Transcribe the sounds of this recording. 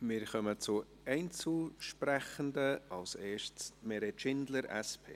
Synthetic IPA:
mɪːɾχœmət͡sʊ | ɛɪnt͡suʃpɾɛχəndəɑlseːʃtsmɛɾɛtʃɪndləɾɛ̰spʰḛː

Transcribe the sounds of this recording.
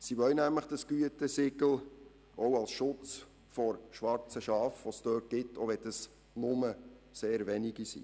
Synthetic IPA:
siʋœlnæmləχd̥ɑsɡ̥yətəsɪɡl̩ | ʔowɑlsʃʊt͡s | fɔɾʃʋɑɾt͡səʃɑːfʋostøːt̚ɡ̥ɪtʰːoʋɛtəs | nʊmə | seːɾvɛniɡisḭː

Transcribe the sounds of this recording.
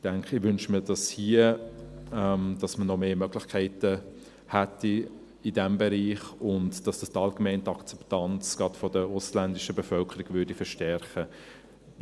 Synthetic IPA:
d̥æŋkʰɪʋʏnʃmiːdɑshiə | ɛmd̥ɑsmənɔmeːmœɡ̥lɪχkʰɛɪtə | hætːi | idɛmbɛɾiːχʊntd̥ɑsd̥ɑstɑlɡ̥əmɛɪntəɑkt͡sɛ̥ptɑnt͡sɡ̥ɑtfɔdəʊslændɪʃəbɛfœlkʰəɾɪɡ̥vʏɐdifəʃtɛɾχə

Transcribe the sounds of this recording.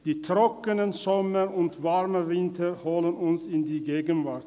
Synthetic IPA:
d̪̥iːt̪ʰɾɔkənənsɔməɾʊnt̪vaɾməvɪnt̪ʰəɾhɔlənʊnsɪnd̪iːɡeːɡənvaɾt̪

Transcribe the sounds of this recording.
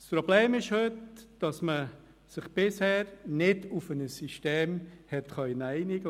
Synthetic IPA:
spɾobleːmɪʃhøtd̥ɑsmə | sɪχb̥ɪshɛːɾnɪdʊfənəsiʃteːmhɛtχœʏnæɪnɪɡə

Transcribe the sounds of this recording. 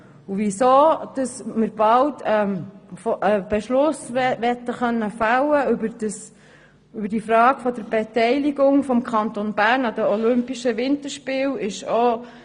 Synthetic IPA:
uvisoːd̥ɑsməɾb̥ɑltɛmfɔʔəb̥eʃlʊsʋɛtːəχœnːəfɑləʏbəɾdəs | ʏbəɾd̥ifɾɑːɡ̥fɔdəɾb̥ɛtɛɪliɡʊŋfɔmkʰχɑnt̪onbæːɾnɑdəɔlʏmpiʃəvɪnt̪əɾʃpɪːlɪʃo

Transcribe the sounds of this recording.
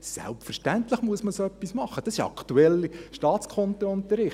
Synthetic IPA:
sæ̰lpfəɾʃtænt̪ləχmuəsməsoœpːismɑχːəd̥ɑsɪʃɑ̰kʰt̪uɛlːiʃtɑːtt͡skʰɔnt̪əʊnt̪əɾɪχ

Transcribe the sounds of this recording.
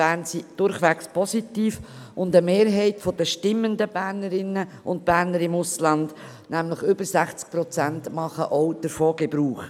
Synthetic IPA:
b̥æːɾnsid̥ʊɾχʋækspʰɔsitiːfʔʊndəmeːɾɦɛɪtfɔd̥̪əʃtɪmːənd̪əb̥æːɾnəɾɪnːəʔʊnt̚b̥æːɾnəɾɪmʊslɑnd | næmləχʏbəɾsæχt͡sk̚pɾɔt͡sæntmɑχə̰ʔɔwd̥əɾfɔːɡɛbɾuːχ

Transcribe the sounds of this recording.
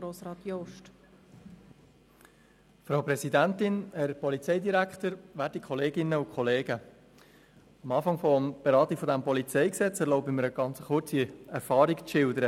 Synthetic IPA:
ɾoːsɾɑːt̪jɔʃt | fɾaʊpɾɛsidæntɪnhɛɾpɔlit͡sɛɪdiɾækχtəɾʋæːtikʰχɔleːɡɪnəʊkʰɔleːɡə | ɑmɑːfɑŋfɔmb̥eɾɑːtikfɔd̪æmpɔlit͡sɛɪksɛt͡sɛɾloʊbiməɾəɡ̥ɑnt͡səχʊɾt͡siɛɾfɑːɾikʃɪldəɾə

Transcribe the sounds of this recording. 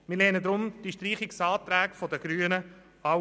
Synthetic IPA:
mɪlɛnəd̪ɾʊmd̥iʃtriːχɪksɑːt̪ɾɛːkfodəɡ̥ɾyːənə | a

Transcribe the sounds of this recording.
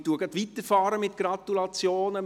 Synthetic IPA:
tuəɡɑd̪ʋit̪əfɑːɾəmɪt̪ɡ̥ɾɑt̪ulɑt͡sjoːnə

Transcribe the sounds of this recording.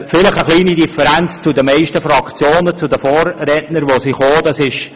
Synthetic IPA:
fɪlɪχəχliːnidifəɾɛnt͡st͡sudəmɛɪʃtəfɾɑkt͡sjoːnət͡sudəfoːrːɛtnəɾʋosiχoːd̥ɑsɪʃ

